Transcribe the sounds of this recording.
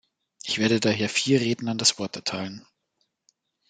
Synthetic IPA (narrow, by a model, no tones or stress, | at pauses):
ʔɪçv̥eːɐdədaːɦeːɐfiːɐʁeːdn̩andasv̥ɔɐtɛɐtʰaɪlən